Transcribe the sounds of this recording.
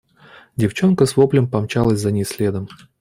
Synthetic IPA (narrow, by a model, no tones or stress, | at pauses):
dʲɪft͡ɕo̞nkəsvoplʲəmpɐmt͡ɕalˠəsʲzɐnʲɪsʲlʲed̪əm